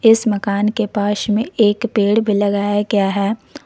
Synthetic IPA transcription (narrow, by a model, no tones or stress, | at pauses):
ɪsmɐkaːnkepaːʃmẽeːkpeːɽbʱilɐɡaːjakjaːɦɛː